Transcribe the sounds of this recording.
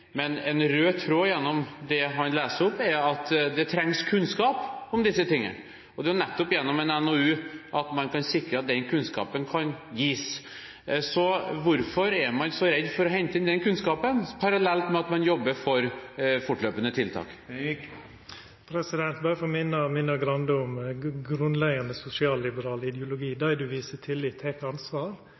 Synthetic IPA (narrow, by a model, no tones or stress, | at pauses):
mɛnɛnɾøːt̪ʰːɾoːjɛnːɔmd̪ɛɦɑnlæːsəɾʊpːɛɾɑt̪d̪ɛt̪ʰɾɛŋskʰʉnskɑːpɔmd̪ɪsːət̪ɪŋːə̰n | ɔd̪ɛjʊnɛt̪ːɔpɪjɛnːɔmɛnɛnoːʉːʔɑt̪mɑnkʰɑnsɪkɾəɑt̪̚d̪ɛnkʰʉnskɑ̰ːpənkʰɑnjiːs | sɔʋʊɾfɔɾɛɾmɑnsɔɾɛd̪ːfɔɾɔɦɛɲt̪əɪnd̪ɛnkʰʉnskɑːpənpʰɑɾɑlɛlt̪mɛɑt̪mɑnjɔbːəɾfɔɾfʊʈløːpənət̪ʰɪlt̪ʰɑ̰ːk | pʰɾɛsɪd̪ɛnt̪bɑːɾəfɔmɪnːəmɪnːəɡɾɑnd̪əʊmɡɾʉnlɛɡɑnəsʊsɪɑːlːɪbəɾɑːləɪd̪jʊlʊɡiːd̪ɑɪd̪ʉʋiːsət̪ʰɪlːiːt̪ʰːɛːkɑnsʋɑːɾ